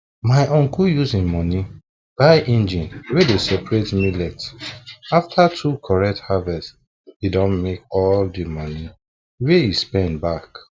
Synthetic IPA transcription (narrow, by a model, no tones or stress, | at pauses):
maɪʔɔ̃ŋkujuzĩnmɔni | b̥aɪʔĩnd͡ʒĩnwedesɛpɹetmilɛt | aftʰatʰukʰɔɹɛk̚thavɛst | idɔ̃nmekɔldimɔ̃ni | weispɛ̃nbak